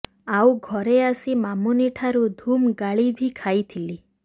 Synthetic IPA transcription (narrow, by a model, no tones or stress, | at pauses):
awɡʱɔɾeasimamuniʈʰaɾud̪ʱumɡaɭibʱikʰajt̪ʰili